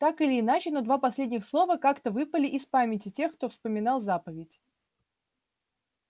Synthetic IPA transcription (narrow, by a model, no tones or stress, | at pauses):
t̪akɨlʲɪːnat͡ɕɪnɐd̪vapɐsʲlʲedʲnʲɪxslˠo̞vəkakt̪əvɨpəlʲɪʔɪspamʲɪtʲɪtʲe̞xkt̪o̞fspəmʲɪn̪alˠzapəvʲɪtʲ